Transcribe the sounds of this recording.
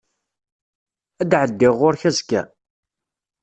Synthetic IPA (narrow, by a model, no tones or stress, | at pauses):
æd̪ʕəd̪ːɪʁːʊɾçæzkæ̰